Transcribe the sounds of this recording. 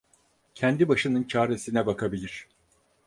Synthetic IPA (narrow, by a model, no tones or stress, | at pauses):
cʰɛnd̪ibaʃɯnɯnt͡ʃʰaːɾe̞sinɛbakʰabilʲiɾ̝̥